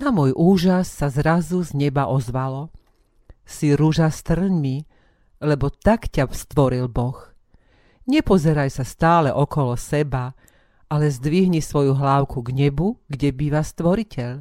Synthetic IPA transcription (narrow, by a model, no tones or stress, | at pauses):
namʊɔjʔuːʒasːazɾazuzɲɛbaʔɔzʋalɔ | siɾuʒast̪r̩ɲmi | lɛbɔt̪akcast̪ʋɔɾilbɔx | ɲɛpɔzɛɾajsast̪aːlɛʔɔkɔlɔsɛba | ʔalɛzd̪ʋiɦɲisʋɔjuɦlaːʊkʰuɡɲɛbuɡɟɛbiːʋast̪ʋɔɾicɛʎ